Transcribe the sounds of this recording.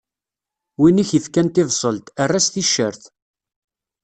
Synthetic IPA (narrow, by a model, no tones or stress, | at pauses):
winiçjəθkænt̪ɪvsˤəlt̪ərːæsθiʃːəɾθ